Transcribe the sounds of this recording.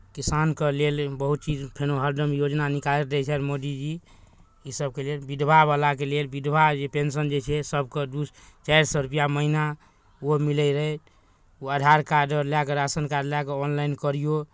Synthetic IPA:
kisankelelbəɦut̪̚t͡ʃid͡ʒpʰenoɦəɾɖəmjod͡ʒnanikaleɾɾɛt͡ʃʰɛɾmod̪id͡ʒi | isəb̚kelelbid̪bʱabalak̬elelbid̪ʱbʱad͡ʒepens̬ənd͡ʒet͡ʃʰɛsəb̚ked̪ust͡ʃaɾsɔɾupijaməɦina | omiləɾəɛt̪ | oəɖʱaɾkaɖəɾlakeɾasənkaɾɖlakeɔnlainkəɾijo

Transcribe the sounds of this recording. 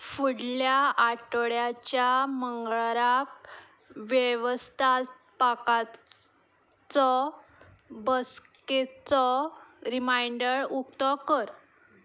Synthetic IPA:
fuɽljaaʈəɭjat͡ɕjaməŋɡɭɾak | ʋjeʋəst̪ʰat | pakat̪ | t͡sɔ | bəsket͡sɔɾimajɳɖəɭukt̪ɔkəɾ

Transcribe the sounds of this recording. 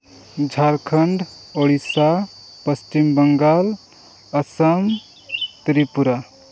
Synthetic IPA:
d͡ʒʱaɾkʰəɳɖoɽisa | pəst͡ʃimbəŋɡal | əsəm | t̪ɾipuɾa

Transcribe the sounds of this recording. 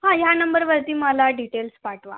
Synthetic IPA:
ɦãjanəmbəɾʋəɾt̪iːməlaɖiʈelspaʈʋa̰

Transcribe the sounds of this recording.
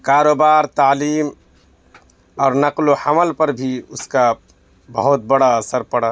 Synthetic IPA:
kaːɾoːbaːɾt̪aːliːm | ɔːɾnɐqlohəməlpɐɾbʱiʊska | bə̰ɦʊt̪̚bəɽaəsəɾpɐɽa

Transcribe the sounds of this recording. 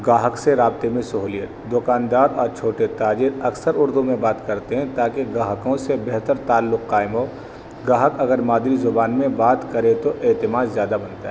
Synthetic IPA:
ɡaːɦəkseɾaːb̚t̪emẽsɐɦuːlijət̪d̪ʊkaːnd̪aːɾɔːɾt͡ʃʰoːʈet̪aːd͡ʒɪɾɐksəɾʊɾd̪umẽbaːt̪kɐɾt̪eɦɛ̃t̪aːkeɡaːɦəkõsebɛɦt̪əɾt̪aːlːʊqːaːɪmɦoː | ɡaːɦəkɐɡəɾmaːd̪ɾizʊbaːnmẽbaːt̪kɐɾet̪oʔeːt̪ɪmaːzzjaːd̪abɐnt̪aɦɛː

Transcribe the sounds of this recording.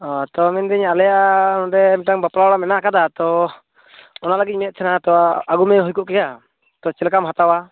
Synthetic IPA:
ɔt̪ɔmɛnd̪ɛɲalɛjanɾɛmʈaŋbapɾawɽamɛnakad̪at̪ɔ | ɔnaləɡit̪c̚ˀmɛt̪̚t͡ʃ̪ʰɛnat̪ɔaɡumɛɦujkuʔkɛɡa | t̪ɔt͡ʃɛlkamɦat̪awa

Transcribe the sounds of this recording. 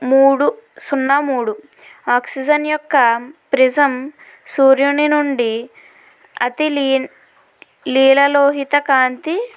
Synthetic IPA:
muːɽusunːɐmuːɽuaːksid͡ʒɐnjɔkːɐpɾid͡ʒɐm | suːɾjuninuɳɖi | ɐt̪il | liːlɐloːɦit̪ɐkaːnt̪i

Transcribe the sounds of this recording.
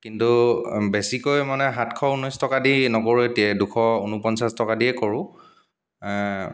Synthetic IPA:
kintubesikojmanɛɦatkʰɔunɔjstɔkadinɔkoɹuetiɛdukʰɔunupɔnsastɔkadiɛkoɹʊ̃

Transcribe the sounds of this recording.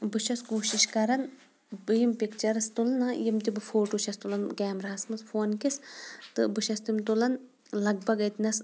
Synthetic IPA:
bɨʃɐskuːʃiʃkɐɾɐn | bɨjimpikt͡ʃɐɾɐst̪ulnɐjimt̪ibɨfoːʈuːʃɐst̪ulɐnɡɛːmɾɐɦɐsmɐsfʰoːnkist̪ɨbɨʃɐst̪umt̪ulɐn | lɐɡ̚bɐɡɐt̪nɐs

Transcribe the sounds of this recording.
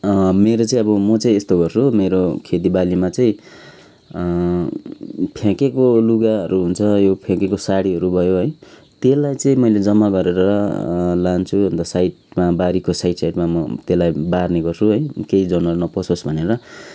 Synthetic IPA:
meɾot͡saĩʌbʌmʌt͡saĩest̪oɡʌrt͡sʰumeɾokʰet̪̬ibalimat͡sʌĩ | pʰjãkekoluɡaɦʌɾuɦunt͡sʰʌjopʰjãkekosaɽiɦʌɾubʱʌjoɦʌj | t̪elːajt͡sʌĩmʌjled͡zʌmːaɡʌɾeɾʌʌlant͡sʰubʌnt̪ʌsajʈmabaɾikosajʈsajʈmamʌ̰t̪elajbarneɡʌrt͡sʰuɦʌjkeid͡zʌnʌɾunʌpʌsosbʱʌneɾʌ

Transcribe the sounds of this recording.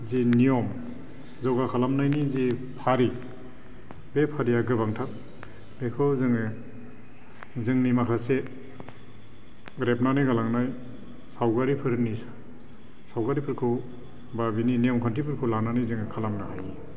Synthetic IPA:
zinijɔm | zɔwɡakʰalamnajnizipʰaɾi | bepʰaɾiaɡɯbaŋtʰak̚ | bekʰɯwzɯŋɯ | zɯŋnimakʰase | ɾep̚nanɯjɡalaŋnaj | sawɡaɾipʰɯɾnis | sawɡaɾipʰɯɾkʰɯ | babininijɔmkʰɔntʰipʰɯɾkʰɯlananijzɯŋɯkʰalamnaɦaji

